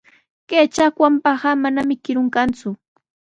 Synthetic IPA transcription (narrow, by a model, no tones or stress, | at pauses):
keːt͡ʃakwampahamanamɪkɪɾʊŋkant͡sʊ